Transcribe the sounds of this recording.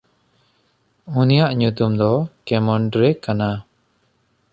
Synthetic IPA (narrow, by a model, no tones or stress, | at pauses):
unijaʔɲut̪umd̪ɔkɛmɔɳɖɾekana